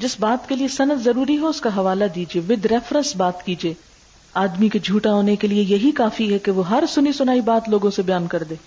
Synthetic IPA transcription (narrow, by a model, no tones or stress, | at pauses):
d͡ʒɪsbaːt̪keliesɐnəd̪zɐɾuːɾiɦɛʊskaɦɐʋaːlad̪iːd͡ʒieːʋɪd̪ʱɾɛːfɾə̃nsbaːt̪kiːd͡ʒieː | aːd̪miked͡ʒʱuːʈaɦoːnekeliejɐɦikaːfiɦɛkeʋoɦɐɾsʊnisʊnaːibaːt̪loːɡõsebɐjaːnkɐɾd̪eː